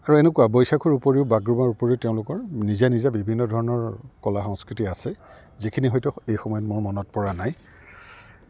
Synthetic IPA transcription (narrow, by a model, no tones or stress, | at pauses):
aɹuɛnekuwabɔjsakʰuɹupoɹiʊbaɡɹumaɹupoɹiʊteʊ̃lʊkɔɹnizanizabibʱinːɔdʱɔɹɔnɔɹkɔlaxɔŋskɹitiasɛ | zikʰiniɦɔjtʊejxɔmɔjɔtmʊɹmɔnɔt̚pɔɹanaj